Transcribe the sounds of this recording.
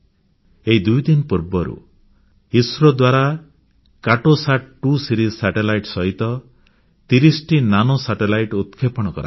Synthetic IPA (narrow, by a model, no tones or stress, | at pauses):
eɦid̪ujd̪inpuɾbɔɾṵ | isɾɔd̪waɾa | kaʈosaʈ̚ʰʈusiɾizsaʈelajʈsɔɦit̪ɔ | t̪iɾisʈinanɔsaʈelajʈut̪kʰepɔɽ̃ɔkɔɾa̰